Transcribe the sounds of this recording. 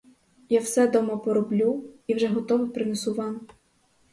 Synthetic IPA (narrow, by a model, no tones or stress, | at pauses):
jawsɛd̪ɔmɐpɔɾɔblʲuiwʒɛɦɔt̪ɔʋɪpɾɪnɛsʊʋɑn